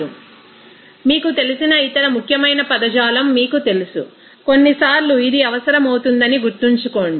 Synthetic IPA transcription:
u | miːkut̪e̞lusinɐit̪ɐɾɐmukʰjɐmɐjnɐpɐd̪ɐd͡ʒaːlɐmːiːkut̪e̞lusṵ | ko̞nːisaːɾluid̪iɐʋɐsɐɾɐmɐwt̪und̪ɐniɡuɾt̪ːiɲt͡ʃukoːɳɖi

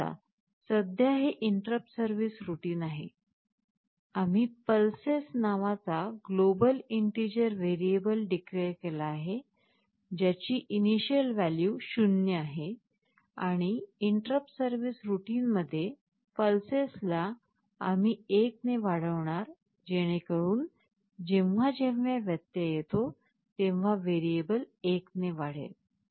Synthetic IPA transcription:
a̰ | səd̪ʱjaɦeʔiɳʈɾəp̚səɾʋisɾuʈiːnaɦe | am̤iːpəlsesnaʋat͡saɡlobəliɳʈid͡ʑəɾʋeɾiebəlɖikɾeɾkelaːɦe | d͡ʑat͡ɕiːʔiniɕiəlʋæljuɕunːjəaɦe | aɽ̃iiɳʈɾəpsəɾʋisɾuʈiːnməd̪ʱːje | fəlsesla | am̤iːek̚neʋaɽ̤əʋɳ̃aɾ | d͡ʑeɽ̃ekəɽuːn | d͡ʑeʋʋ̤ad͡ʑeʋjaʋjət̪jəjet̪o | t̪ẽʋ̤aʋeɾiebəlekneʋaɽ̤ḛl

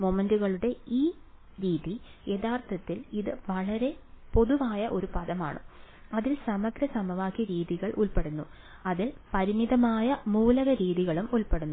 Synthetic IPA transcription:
momenduɣɐɭuɽe̞iː | ɾiːðijeðaːrt̪ʰɐt̪ːiliðɨʋɐɭɐɾe̞po̞ðuʋaːjɐʔo̞ɾupɐðɐma̰ːɳɨ̰ | ɐðilsɐmɐɡɾɐsɐmɐʋaːkːjiɾiːðiɣɐɭʔuɭpe̞ɽunːu | ɐðilpɐɾimiðɐmaːjɐmuːlɐɣɐɾiːðiɣɐɭumuɭpe̞ɽunːu

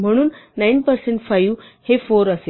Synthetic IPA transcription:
m̤əɽ̃uːnnajnpəɾseɳʈfajuʋhefoɾəse

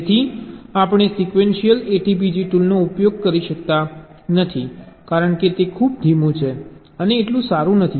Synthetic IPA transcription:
t̪ʰiapɳ̃esikʋenʃijəleʈipid͡ʒiʈulnoupjoɡ̚kəɾiʃəkt̪a | nət̪ʰikaɾəɳket̪ekʰubd̪ʱimũt͡ʃʰe | əneːʈlũsaɾũnət̪ʰi

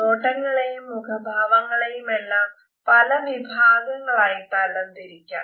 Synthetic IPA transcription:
oːʈːɐŋːɐɭe̞jumːukʰɐbʱaːʋɐŋːɐɭe̞jume̞lːaːm | pɐlɐʋibʱaːɡɐŋːɐɭaːjit̪aːlːɐnt̪iɾikʲːa̰ːɳ

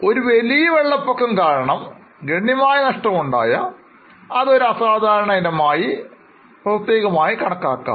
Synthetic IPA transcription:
o̞ɾuʋelijɐʋeɭːɐpːɐkːɐmkaːɾɐɳɐm | ɡɾeɳjɐmaːjɐnɐʂʈɐmuɳɖa̰ːjɐ | ɐðo̞ɾuɐsaːd̪ʱaːɾɐɳɐinɐmaːji | prɐt̪ːjeːɣɐmaːjikɐɳɐkːaːkːa̰ːm

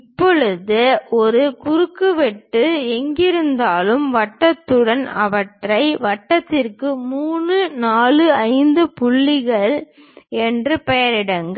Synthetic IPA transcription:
ɪpːɔɻɯðɯɔɾɯkʊɾɯkːɯʋɛʈːɯɛŋɡɪɾɯnd̪aːlɯmʋɐʈːɐt̪ːɯɽɐnɐʋɐʈrɐɪʋɐʈːɐt̪ːɪrkɯmuːɳɯnaːlɯɐɪnd̪ɯpʊɭːɪɣɐɭ | ɛndrɯpɛjɐɾɪɽɐŋɡɐ

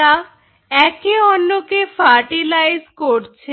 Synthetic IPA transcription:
a | ɛkeɔnːokefʰaɾʈilajzkoɾt͡ɕʰe

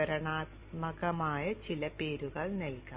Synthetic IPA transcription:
ɐɾɐɳaːt̪mɐɣɐmaːjɐt͡ɕilɐpe̞ːɾuɣɐɭnelka

